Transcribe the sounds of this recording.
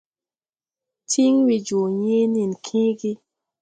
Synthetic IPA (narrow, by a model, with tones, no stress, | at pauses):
ti˦ŋwi˨d͡ʒu˨ɲe˦ni˨nkʰĩ˦ɡi˦